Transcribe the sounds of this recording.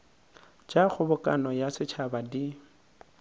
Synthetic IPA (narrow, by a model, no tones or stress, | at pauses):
d͡ʒak͡xʰʊbʊkʼa̰nɔjasɪt͡ʃʰabadi